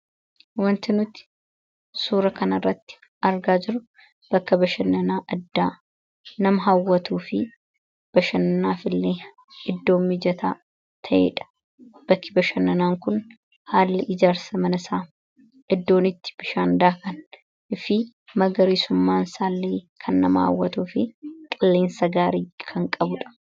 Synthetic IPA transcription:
wɐnt̪ɪnʊt̪ɪ̥ | suːɾɐkɐnɐrːɐt̪ːɪ̥ | ʔɐɾɡaːd͡ʒɪɾʊ | b̥ɐkːɐbɐʃɐnːɐnaːʔɐd̪ːaː | nɐmɐɦɐwːɐt̪uːfɪ | b̥ɐʃɐnɐnaːfɪlːeː | ɪd̪ːo̞ːmːɪd͡ʒɐt̪a̰ː | t̪ʰɐʔḛːᶑɐ̥ | b̥ɐkːɪbɐʃɐnːɐnaːŋkʊn | haːlːɪʔɪd͡ʒaːɾsɐmɐnɐsaː | ʔɪd̪ːo̞ːnɪt̪ːɪ̥b̥ɪʃaːnd̪aːkɐn | ɪfɪ | mɐɡɐɾisʊmːaːnsaːlːeːkʰɐnːɐmɐhɐ̰wːɐ̰t̪uːfɪkʼɐlːe̞ːnsɐɡaːɾiːkʰɐŋkʼɐbʊᶑɐ̥

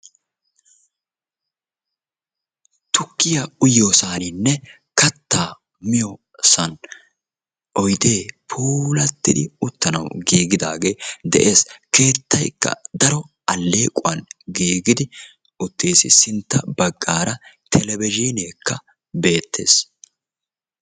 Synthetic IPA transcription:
t̪ʊkːɪjɐʊjoːsaːnɪnːɛ | kɐt̪ːaː | mɪjɔ | sɐn | ʔɔjd̪e̞ːpʰuːlɐt̪ːɪd̪ɪʊt̪ːɐnɐ̰wɡiːɡɪd̪aːɡe̞ːd̪ɛ̰ʔe̞ːske̞ːt̪ːɐjkːɐ̰d̪ɐɾɔ | ʔɐlːe̞ːkʼʊwɐnɡiːɡɪd̪ɪ | ʊt̪ːeːsɪ̰sɪnt̪ːɐbɐɡːaːɾɐt̪ʰɛlɛbɪʒineːkːɐ | be̞ːt̪ʰːe̞̰ːs

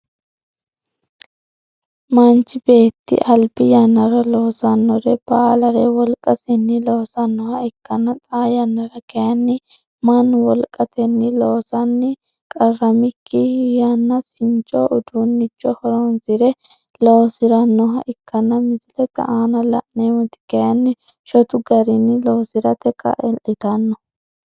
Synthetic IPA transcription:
mɐnt͡ʃːɪbe̞ːt̪ːɪ̰ʔɐlbɪjɐnːɐɾɐlo̞ːsɐnːɔɾɛb̥aːlɐɾɛwɔlkʼɐsɪnːɪloːsɐnːɔhɐɪkːɐnɐt̪ʼaːjɐnːɐɾɐkɛjɐnːɪ | mɐnwɔlkʼɐt̪ɛnːɪloːsɐnːɪ | kʼɐrːɐmɪkʰːɪjanːɐsɪnt͡ʃʼɔʔʊd̪uːnːɪt͡ʃːɔhɔɾɔnzɪɾɛ | loːsɪɾɐnːɔɦɐʔɪkːɐnːɐmɪzɪlɛt̪ːɐ̰ʔaːnɐlɐ̰ʔnɛwʊt̪ɪ̥kɛjɐnːɪ | ʃɔt̪ʊɡɐɾɪnːɪloːsɪɾɐt̪ɛkʰɐ̰ʔɛlʔɪt̪ɐnːɔ

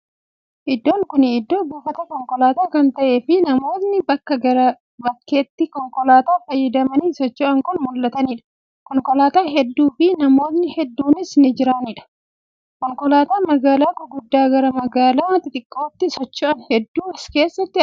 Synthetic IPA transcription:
ʔɪd̪ːo̞ːŋkʊnɪɪd̪ːo̞ːbuːfɐt̪ɐkɔŋkɔlaːt̪aːkɐnt̪ɐʔe̞ːfɪnɐmo̞ːt̪nɪbɐkːɐɡɐɾɐ | bɐkːe̞ːt̪ːɪkɔŋkɔlaːt̪aːfɐjːɐd̪ɐmɐniːsɔt͡ʃːɔʔɐŋkʊnmʊlːɐt̪ɐniːᶑɐ̥ | kɔŋkɔlaːt̪aːɦɛd̪ːuːfɪnɐmo̞ːt̪nɪhɛd̪ːuːnɪsnɪd͡ʒɪɾaniːᶑɐ̥ | kɔŋkɔlaːt̪aːmɐɡaːlaːkʊɡʊd̪ːaːɡɐɾɐmɐɡaːlaːt̪ɪt̪ʼɪkʼːo̞ːt̪ːɪsɔt͡ʃːɔʔɐnhɛd̪ːuːɪske̞ːsːɐt̪ːɪ

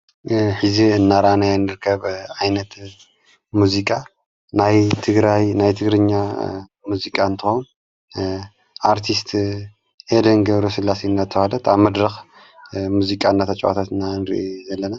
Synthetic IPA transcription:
ħɨziɨnːaɾanajanːɨɾɨkʰɐβʕajnɐt̪ | muzikʼa | najt̪ʰɨɡɾajnajt̪ʰɨɡɾɨɲːa | muzikʼaɨnt̪ʰɨxon | ʔaɾt̪ʰist̪ | ʔed̪ɐnɡɐβɾosɨlːasiɨnːat̪ʰːɐhalɐt̪aβmɐd̪ɾɨx | muzikʼaɨnːat̪ʰɐt͡ʃʼowa̰t̪ʰat̪ɨnːanɾḭʔizɐlːɐna

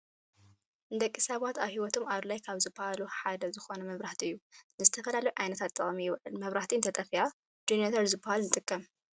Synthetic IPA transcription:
ʔɨnd̪ɐkʼːisaβat̪aβhiwɔt̪ʰo̞maβlajkʰaβzɨbːɐhaluħad̪ɐzɨxo̞nɐmɐβɾaht̪ʰiɨjːunɨzɨt̪ʰɐfɐlalɐjuʕajnɐt̪ʰat̪ʰʼːɐχʼmijɪβʕɨ̰lmɐβɾaht̪ʰiɨnt̪ʰɐt̪ʼɐfija | d͡ʒenet̪ʰɐɾzɨbːɐhalnɨt̪ʼɨkʰʼːɐm

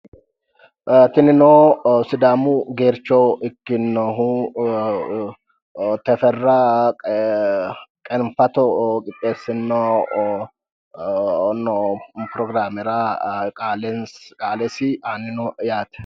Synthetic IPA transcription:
t̪ɪnɪnoːsɪd̪aːmʊɡeːɾt͡ʃːɔɪkːɪnːɔɦu | t̪ɛfɛrːɐ | kʼɛnfɐt̪ɔkʼɪt̪ʼːeːsɪno | nɔpɾɔɡɾaːmɛɾakʼaːlɛnkʼaːlɛsɪanɪnɔjaːt̪ɛ̥

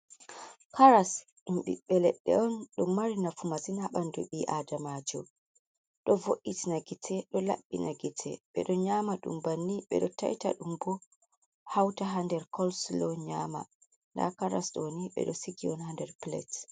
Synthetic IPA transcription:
kʰaɾas | imɓḭɓɛlɛɗːɛ̰ɔnɗɔmaɾinafumasinhaɓandɔɓiʔadamad͡ʒɔ | ɗɔvoʔːitinaɡitʰɛɗɔla̰ɓːinaɡitʰɛ̰ɓɛ̰ɗɔɲaːmaɗṵmbanːiɓɛ̰ɗɔta̰jta̰ɗumbɔ | hawtaɦandɛɾkʰɔlslɔɲama̰ | nda̰kaɾasɗɔniɓɛ̰ɗɔsiɡiɔnhandɛɾplɛ̰t

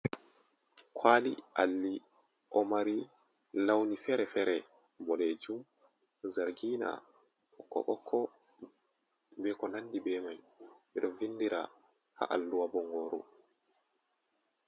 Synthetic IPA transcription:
kʰwaːlḭʔalːi | ʔɔmaɾi | lawnifɛɾɛfɛɾɛ | bɔleːd͡ʒum | zaɾɡiːna̰ | ɓɔkːɔ̰ɓɔkʰːɔ | bɛːkɔnandibɛmaj | ɓiɾɔvindiɾa̰ | ha̰ʔalːuwabɔŋɡoːɾṵ

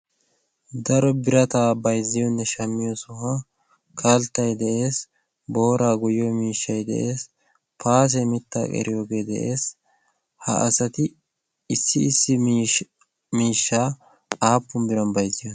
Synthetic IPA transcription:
d̪ɐɾɔbɪɾɐt̪aːbɐjzɪjɔnːɛʃɐmːɪjosʊha | kʰɐlt̪ːɐjd̪ɛʔe̞ːs | bo̞ːɾaːɡʊjːoːmiːʃːɐjd̪ɛ̰ʔe̞ːs | paːs̬ɛmɪt̪ːa̰ːkʼɛ̰ɾɪjoːɡeːd̪ɛ̰ʔe̞ːs | hɐ̰ʔɐ̰sɐt̪ɪ | ɪsːɪːsːɪ | miːʃːaː | aːpːʊmbɪɾɐnbɐjzɪjon

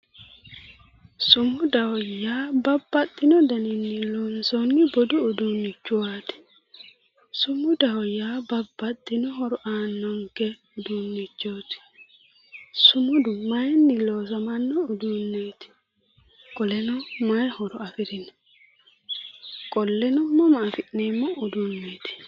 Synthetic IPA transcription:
sʊmʊd̪ɐwɔjaːbɐbːɐt̪ʼːɪnɔd̪ɐnɪnːɪloːnsɔnːɪbɔd̪ʊʊd̪unːɪt͡ʃːʊwaːt̪ɪ̥ | sʊmːʊd̪ɐwɔjaːbɐbːɐt̪ʼːɪnɔɦɔɾɔʔaːnːɔŋkɛ | ʊd̪unːɪt͡ʃːoːt̪ɪ̥ | sʊmʊd̪ʊmɐjnːɪloːs̬ɐmɐnːɔʊd̪unːeːt̪ɪ̥ | kʼɔlɛnɔmɐjhɔɾɔɐfɪɾɪnɔ | kʼɔlːɛnɔmːɔmɐːfɪneːmːɔʊd̪unːeːt̪ɪ̥

